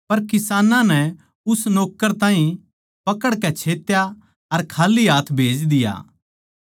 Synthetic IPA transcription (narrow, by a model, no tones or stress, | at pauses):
pɐɾkɪsaːnãnɛ | ʊsnoːkːəɾt̪ãːɦĩ | pɐkəɽkɛt͡ʃʰeːt̪ja | ɐɾkʰaːliɦaːt̪ʰbʱeːd͡ʒd̪ɪja̰ː